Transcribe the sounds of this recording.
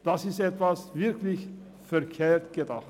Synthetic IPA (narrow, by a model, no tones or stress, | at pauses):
d̪̥ɑsɪsɛt̪ʋɑsʋɪɾklɪç | fœɾkʰeːɾt̪ɡ̥ɛd̪ɑː